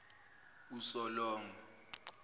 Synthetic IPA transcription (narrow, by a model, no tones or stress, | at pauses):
usɔlɔːŋɔ